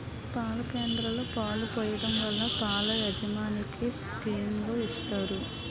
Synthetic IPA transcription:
paːlɐke̞ːnd̪ɾɐlo̞ːpaːlupoːjɐɽɐmʋɐɭːɐpaːlɐjɐd͡ʒɐmaːnikiskiːnlo̞ːist̪aːɾu

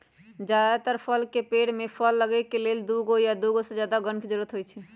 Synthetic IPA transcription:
d͡ʒad̪at̪əɾpʰəlkepeɽmepʰəlːəɡɛkeleld̪uɡojad̪uɡosẽd͡ʒjad̪aɡənkʰd͡ʒəɾuɾət̪ɦojt͡ʃʰɛ

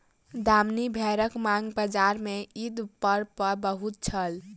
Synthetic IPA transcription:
d̪amnibʱɛɾəkmaŋɡbəd͡ʒaɾmeid̪upːəɾpəɾbəɦut̪̚t͡ʃʰəl

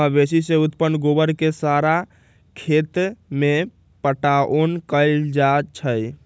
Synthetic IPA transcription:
əbesiseut̪pənɡobəɾkesaɾa | kʰet̪me | pəʈaʔonkəɪld͡ʒat͡ʃʰəj

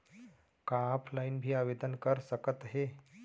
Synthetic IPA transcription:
kapʰlainbʱiːaʋed̪ənkəɾsəkət̪ɦe

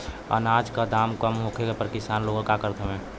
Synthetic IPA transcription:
ə̰naːd͡ʒkad̪aːmkəmɦokʰeɡapəɾkɪsaːnloɡõkakəɾt̪ʰəmɛ̃

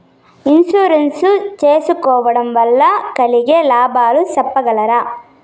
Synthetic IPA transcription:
insuːɾensut͡ʃeːsukɔːʋɐɽɐmʋɐlːɐkɐliɡelaːbaːlusɐpːɐɡɐlɐɾɐ

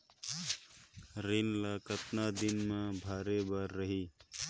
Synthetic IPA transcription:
ɾinlakət̪nad̪ɪnmẽbʱaːɾebəɾːəɦiː

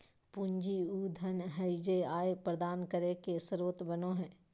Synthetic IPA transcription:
puɲd͡ʒiuːd̪ʱənɦəɪd͡ʒeaːepɾəd̪aːnkəɾekesɾoːt̪bɐnõɦɛ̃ː

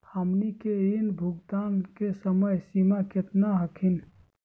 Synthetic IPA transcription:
həmnikeinbʱuɡt̪ankesəməjsimaket̪naɦəkʰin

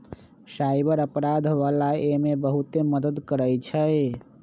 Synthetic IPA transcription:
sajbəɾəpɾad̪ʱʋalaemebəɦut̪eməd̪əd̪kəɾəjt͡ʃʰəj

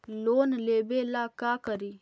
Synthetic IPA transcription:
loːnleːbelakaːkəɾiː

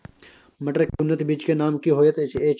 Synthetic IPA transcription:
mɐʈəɾkʊnːət̪biːt͡ʃkenaːmkiɦoːjət̪et͡ʃeːt͡ʃ

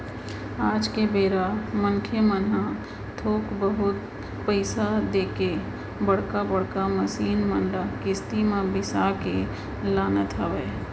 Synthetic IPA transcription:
aːd͡ʒkebeːɾamənkʰemənã | t̪ʰoːkbəɦʊt̪̚ | pəɪsad̪eːke | bəɽ̤kabəɽkaməsiːnmə̃nɖakɪst̪imãbɪsake | laːnət̪ʰaʋeː

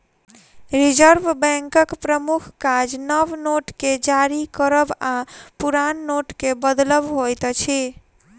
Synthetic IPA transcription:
ɾid͡ʒəɾbbɛ̃ŋkəkpɾəmukʰkad͡ʒnəbnoʈked͡ʒaɾikəɾəbapuɾanːoʈkebəd̪ləbɦojt̪t͡ʃʰi

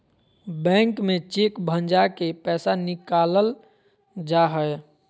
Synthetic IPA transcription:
bɛ̃ŋkmẽt͡ʃekbʱənd͡ʒakepɛːsanikaləl | d͡ʒaɦəj

